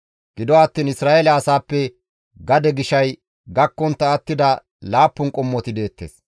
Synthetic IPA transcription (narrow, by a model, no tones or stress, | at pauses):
ɡ̥ɪd̪ɔɐt̪ːiːnɪsɾaːʔelɐːsaːpːɛ | ɡɐd̪ɛɡɪʃɐj | ɡɐkːɔnt̪ːɐːt̪ːɪd̪ɐ | laːpːʊnkʼɔmːɔt̪ɪd̪e̞ːt̪ːe̞̰ːs